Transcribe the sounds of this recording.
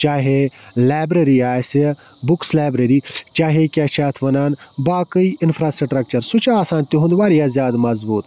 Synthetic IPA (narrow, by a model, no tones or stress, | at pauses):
t͡ʃaːɦe | laːjbɾɐɾiaːsi | bʊkslaːbɾeɾiːt͡ʃaːɦekʲaːt͡ʃaːt̪ʰʋɐnaːn | baːkəiɪnfʰɾaːsʈɾʈɾɐk̚t͡ʃɐɾsut͡ʃaːsãːnt̪iɦũnd̪ʋaːɾijaːzjaːd̪mɐzbuːt̪